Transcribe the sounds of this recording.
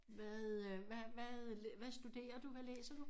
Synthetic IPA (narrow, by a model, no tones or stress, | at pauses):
ʋæðˠʋæʋæðʋæsd̥ud̥e̝̰ːɐd̥uʋælḛːsɐd̥u